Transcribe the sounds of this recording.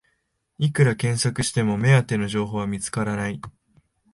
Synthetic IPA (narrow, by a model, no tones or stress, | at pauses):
ikɯ̟ɾakẽ̞ɰ̃sakɯ̟ɕi̥t̪e̞mo̞me̞at̪ːe̞no̞ʑo̞ːɦo̞ːβamʲit͡sɨ̥kaɾanai